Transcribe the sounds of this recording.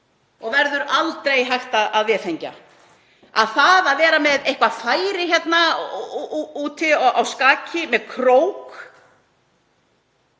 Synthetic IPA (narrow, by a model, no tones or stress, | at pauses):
ɔɣvɛɾðʏɾalt̪ɾejɦajxt̪aðaðvɛːθejɲca̰ | a̰ðθaðaðvɛːɾamɛðejhkvafaːjɾɪçjɛt̪na | uːt̪ʰɪawskaːcʰɪmɛðkʰɾoːwk